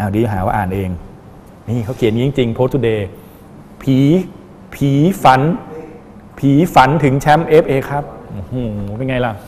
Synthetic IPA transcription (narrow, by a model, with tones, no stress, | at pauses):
ʔaː˧˩wdiː˧ɦaː˩˦waː˧ʔaː˨˩nʔeː˧ŋ | niː˦˥˩kʰa˦˥wkʰi˨˩˦ənŋi˦˥˦ŋt͡ɕi˧ŋpʰoː˧˦˥t̪ʰu˧deː˧ | pʰiː˨˦ | pʰiː˧˦fa˨˦n | pʰiː˨˦fa˨˦nt̪ʰɯ˩˦ŋt͡ɕʰɛ˦˥mʔe˦˥p̚ʔeː˧kʰa˦˥p̚ʔo˧˩huː˨˩˦e˧nŋa˧jla˧˩w